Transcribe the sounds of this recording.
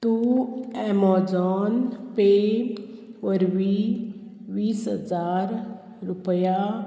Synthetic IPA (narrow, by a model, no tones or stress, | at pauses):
t̪uɛːmɔːd͡ʒɔːnpe | ʋəɾʋi | ʋiːsɦə̰zaːɾ | ɾʊpəja